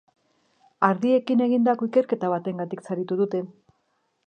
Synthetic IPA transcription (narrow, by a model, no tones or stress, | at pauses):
aɾðie̞kine̞ɣind̪ako̞ike̞ɾke̞t̪aβ̞at̪e̞ŋɡat̪iksaɾit̪uðut̪e̞